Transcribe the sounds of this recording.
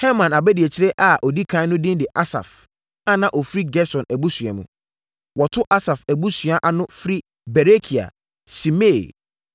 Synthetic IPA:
hɛ˦mã˨na˨bɛ˦di˨ɛ˨t͡ɕʰɪ˦ɾɛ˦ʔa˨ʔɔ˨di˦kʰã˦nʊ̃˦dɪ̃˦n˦dɪ˨ʔa˦sa̰˨f | ã˦nã˨ʔɔ˨fɾi˦ɡɛ˦sɔ̃˨næ˨bu˦sɥɛ̰˨mṵ̃˨ | wɔ˨tʰʊ˦ʔa˦sa˨fæ˨bu˦sɥa˦ʔa˦nʊ̃˦fɾi˦ | bɛ˨ɾe˦kʰi˨a̰˨ | si˨me˦˨

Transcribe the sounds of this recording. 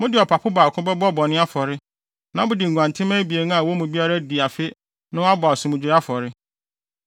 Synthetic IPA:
mʊ̃˦dɪ˨ɔ˨pʰa˨pʰʊ˦baː˨kʰʊ̃˦bɛ˦bɔ˦˨bɔ˨nɪ̃˦a˦fɔ˨ɾɪ˦ | nã˦bʊ˦dɪ˨ŋ̩ɡʷã˨ntʰɪ̃˦mɛ̃˦bi˨e˨ñ˦a˨wɔ˦mũ˨bi˦a˦ɾa˦di˨a˨fɪ˦ | nʊ̃˦a˦bɔ˨a˨sʊ̃˨mũ˨d͡ʑi˨ɾa˦fɔ˨ɾɪ˦

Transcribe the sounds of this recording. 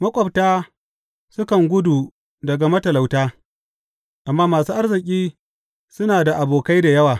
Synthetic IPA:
mɐ˦kʷʼɐ˨b̚taː˦ | sʊ˦kɐ˨ŋɡʷʊ˦du˨ | dɐ˨ɡa˨mɐ˦tɐ˨la˨wtaː˦ | ʔa˨mːaː˦maː˨suː˦ʔa˦rzɪ˨kʲʼiː˦ | sʊ˦naː˨da˨ʔa˨boː˨ka˦jda˨jɐ˦waː˨

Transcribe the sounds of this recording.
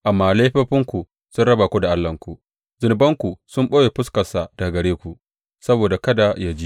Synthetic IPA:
ʔa˨mːaː˨la˦jɸɐ˦ɸɪ˦ŋkʷu˨ | sʊ˦nɽɐ˦ba˨kʷu˦da˨ʔa˦lːɐ˨ŋkʷu˨ | zʊ˨n˨bɐ˦ŋkʷu˨sʊ˦mɓoː˦je˨ɸʊ˦skɐ˨sa˨d̥a˨ɡɐ˨ɽeː˦kʷu˨ | sɐ˦boː˨da˨kɐ˦da˨ja˦d͡ʒi˦

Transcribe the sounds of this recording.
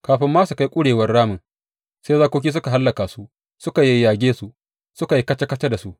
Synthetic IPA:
kaː˨ɸɪ˦mːaː˦su˨ka˦jkʷʼʊ˦ɽeː˨wɐ˦rɽaː˦mɪ˨ | seː˦zaː˦kʷoː˦k̬ʲiː˦s̬ʊ˦ka˨ɦa˦lːɐ˨kaː˨su˦ʔ | sʊ˦ka˨ji˦jaː˨ɡʲeː˦su˦ | sʊ˦ka˨ji˦kɐ˦t͡ʃɐ˦kɐ˦t͡ʃɐ˦da˨su˦ʔ

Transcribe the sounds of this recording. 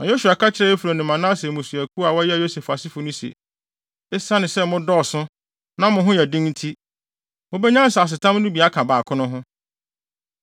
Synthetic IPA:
nã˨jo˦su˨a˨kʰa˦t͡ɕʰɪ˦ɾɛ˦e˦fu˨ɾo˨nɪ̃˨mã˨nã˦sɛ˨mʊ̃˨su˨æ˨kʰu˦a˨wɔ˦ɛ˦a˨jo˦se˨fa˨sɪ˦fʊ˨nʊ̃˦si˨ḛ˨ | ɛ˦sa˦nɪ̃˨sɛ˦mʊ̃˦dɔ˦˨sʊ̃˦ | nã˦mʊ̃˨ɦʊ̃˦jɛ˨dĩ˦ŋn̩˦tʰi˦ | mʊ̃˦bɛ˦ɲã˦n˦˨sa˨s̬ɪ˨tʰã˦m˦nʊ̃˦bi˨a˦kʰã˨baː˨kʰʊ̃˦nʊ̃˦ɦʊ̃˦

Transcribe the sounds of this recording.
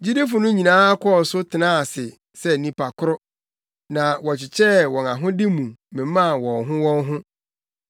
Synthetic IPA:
d͡ʑi˦de˦fʊ˨nʊ̃˦ɲĩ˨nãː˦a˦kʰɔ˦˨sʊ˦tʰɪ˨nã˦˨sɪ˨ | sɛ˦nĩ˨pʰa˨kʰʊ˦ɾʊ˦ | nã˨wɔ˨t͡ɕʰɪ˨t͡ɕʰɛ˦wɔ̃˨nã˨ɦʊ̃˦dɪ˦mũ˨mɪ̃˨˦mã˦˨wɔ̃˨nɦʊ̃˦wɔ̃˦ŋɦʊ̃˦

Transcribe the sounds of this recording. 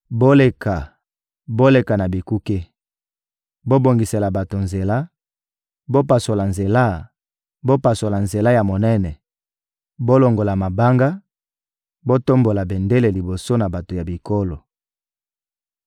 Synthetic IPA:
bo˦le˨ka˨ | bo˦le˨ka˨na˨bi˨ku˦ke˦ | bo˦bo˨ŋɡi˨se˨la˨ba˨to˨nze˨la˦ | bo˦pa˨so˨la˨nze˨la˦ | bo˦pa˨so˨la˨nze˨la˦ja˨mo˨nɛ˦nɛ˨ | bo˦lo˨ŋɡo˨la˨ma˨ba˦ŋɡa˦ | bo˦to˦mbo˨la˨be˨nde˦le˨li˨bo˨so˦na˨ba˨to˨ja˨bi˨ko˦lo˨

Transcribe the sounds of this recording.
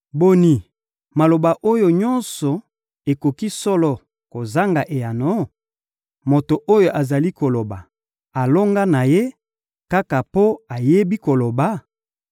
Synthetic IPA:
bo˨ni˨ | ma˨lo˨ba˨ʔo˦jo˨ɲɔ˦nsɔ˨ | e˨ko˨ki˦sɔ˦lɔ˨ | ko˨za˦ŋɡa˨ʔe˨ja˨no˦ | mo˨to˨ʔo˦jo˨ʔa˨za˨li˦ko˨lo˨ba˨ | a˨lo˦ŋɡa˦na˨je˦ | ka˦ka˨po˦a˨je˦bi˦ko˨lo˨ba˨˦

